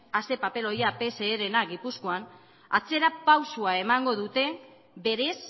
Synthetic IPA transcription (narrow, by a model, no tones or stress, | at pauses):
ase̞pape̞lo̞jape̞se̞ːɾe̞naɡipuskoan | at͡se̞ɾapawsuae̞maŋɡo̞ðut̪e̞ | be̞ɾe̞s